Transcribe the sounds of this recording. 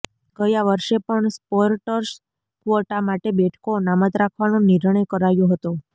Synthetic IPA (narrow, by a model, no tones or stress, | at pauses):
ɡəjaʋəɾʃepəɳspoɾʈəɾs | kʋoʈamaʈebeʈʰkonamət̪ɾakʰʋanonɪɾɳəjkəɾajõɦət̪o